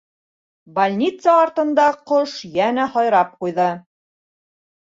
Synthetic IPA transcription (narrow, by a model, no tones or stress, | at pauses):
bɐlʲnʲit̪sɑːɾt̪ɤ̆nd̪ɑqoʃjænæhɒjɾɑp̚qujðɤ